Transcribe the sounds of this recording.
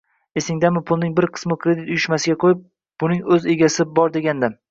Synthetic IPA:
e̞sɪŋd̪amɪpʰʊlˠnɪŋbɪɾqʰɨ̥smɪkʰʲɾe̞d̪ɪt̪ʊjɪʃmasɪɡʲaqʰojɪp̚ | bʊnɪŋɵze̞ɡʲasɪbɒɾd̪e̞ɡʲand̪a

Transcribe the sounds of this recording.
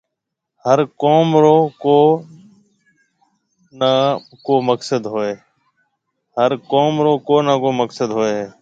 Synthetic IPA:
həɾkoːmɾoːkoː | na | koːməksəd̪ɦoːeː | həɾkoːmɾoːkoːnaːkoːməksəd̪ɦoːeːɦɛː

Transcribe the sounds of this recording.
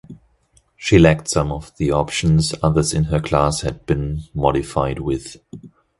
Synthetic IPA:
ʃilæk̚tsʌ̃mʌvðiɑpʃɨ̃n̩zʌðə˞zɨ̃nə˞kʰl̥æshɨd̚bɨ̃nmɑɾɨfaɪd̚wɪð̥

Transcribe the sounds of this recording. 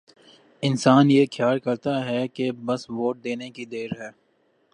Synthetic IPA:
ɪnsaːnjexʰjaːlkɐɾt̪aɦɛkebɐsʋoːʈ̚d̪eːnekid̪eːɾɦɛː

